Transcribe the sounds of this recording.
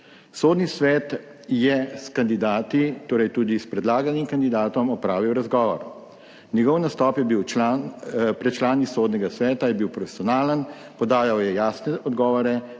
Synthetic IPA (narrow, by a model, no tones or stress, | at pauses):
soːd̪nisʋɛːt̪ | jɛskand̪id̪aːt̪it̪oːɾɛjt̪uːd̪ispɾɛd̪laːɡanimkand̪id̪aːt̪ɔmɔpɾaːʋiwɾazɡɔːʋɔ̰ɾ | njɛɡɔwnast̪ɔːpjɛbiwanpɾɛt͡ʃlaːnisoːd̪nɛɡasʋɛːt̪ajɛbiwpɾɔfɛ̥siɔnaːlən | pɔd̪aːjawjɛjaːsnɛʔɔd̪ɡɔːʋɔɾɛ